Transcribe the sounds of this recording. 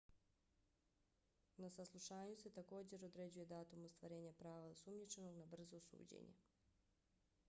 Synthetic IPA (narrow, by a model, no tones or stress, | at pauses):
nasaslˠuʃaːɲuse̞t̪ako̞ːd͡ʑe̞ɾo̞d̪ɾe̞d͡ʑuje̞d̪aːt̪umost̪ʋaɾe̞ːɲapɾaːʋaosumɲit͡ʃe̞no̞ɡnabr̩zosṵːd͡ʑḛɲḛ